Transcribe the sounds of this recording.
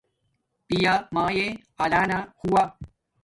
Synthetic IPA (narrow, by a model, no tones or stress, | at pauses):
pijamãːje | alaːnahuwaː